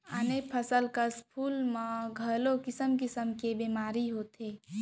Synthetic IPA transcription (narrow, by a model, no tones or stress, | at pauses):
ə̰nepʰəsəlkəspʰuːlmãɡʱəlõkɪsəmkɪsəmkebiːmaːɾiɦoːt̪eː